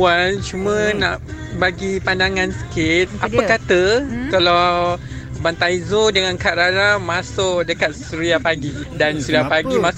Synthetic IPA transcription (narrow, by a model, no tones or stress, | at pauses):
ant͡ʃumə̃naʔ | baɡipandaŋãnsə̥kit̪̚apəkat̪əkala | bant̪aizodəŋãnkaʔɾanamãsʊʔdəkat̪̚suɾiapaɡidansuɾiapaɡimã